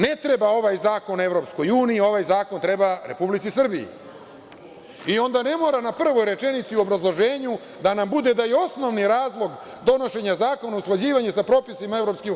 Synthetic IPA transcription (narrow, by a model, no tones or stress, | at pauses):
ne̞t̪ɾe̞bao̞ʋajzaːko̞nevɾo̞psko̞juːniio̞ʋajzaːko̞nt̪ɾebaɾe̞publitsisr̩biḭ | io̞nd̪ane̞mo̞ːɾanapr̩ʋo̞jɾe̞t͡ʃenit̪siuo̞bɾazlˠo̞ʒe̞ːɲu | d̪anambud̪e̞d̪ajeo̞sno̞ʋniɾaːzlˠo̞ɡ | d̪o̞no̞ʃe̞ɲazaːko̞nausklˠad͡ʑiːʋaɲesapɾo̞ːpisimaevɾo̞pske